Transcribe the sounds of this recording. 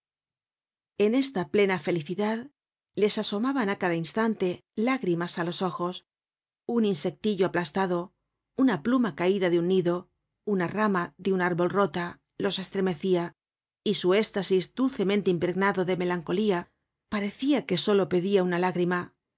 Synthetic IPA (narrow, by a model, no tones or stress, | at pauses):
e̞ne̞st̪aple̞nafe̞liθiðað | le̞saso̞maβanakaðainst̪ant̪e̞laɣɾimasalo̞so̞xo̞s | uninse̞k̚t̪iʎo̞aplast̪aðo̞ | unaplumakaiðaðeunːiðo̞ | unaramaðeunaɾβo̞lro̞t̪a | lo̞se̞st̪ɾe̞me̞θia | isue̞st̪asizd̪ulθe̞mẽnt̪eimpɾe̞ɣnaðo̞ðe̞me̞laŋko̞lia | paɾe̞θiake̞so̞lo̞pe̞ðiaunalaɣɾima